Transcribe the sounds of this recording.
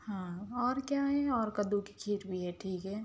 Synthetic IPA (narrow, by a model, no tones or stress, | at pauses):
hãːɔːɾkjaɦɛɔːɾkəd̪uki̥kʰiːɾbʱiɦɛʈʰiːkɦɛː